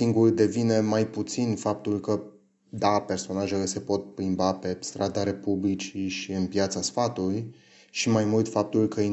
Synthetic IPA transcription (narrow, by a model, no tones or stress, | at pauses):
iŋɡurd̪e̞vine̞majput̪sinfap̚t̪ulkə | d̪ape̞rso̞naʒe̞le̞se̞po̞t̪̚pɾimbape̞st̪ɾad̪aɾe̞publit͡ʃiʃiɨnpjat̪səsfat̪uluj | ʃimajmult̪fap̚t̪ulkəi